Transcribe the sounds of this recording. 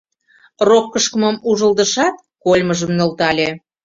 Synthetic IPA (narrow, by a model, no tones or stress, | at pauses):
rokːəʃkəməmuʒə̆ld̪ə̆ʃɑt̪̚kolʲməʒəmnŏlt̪ɑlʲe